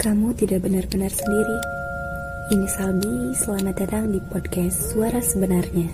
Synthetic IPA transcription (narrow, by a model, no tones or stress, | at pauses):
kamut̪idak̚bənarbənarsəndiɾi | inisalbisəlamadataŋdipɔd̚kɛst̪suaɾasəbənarɲa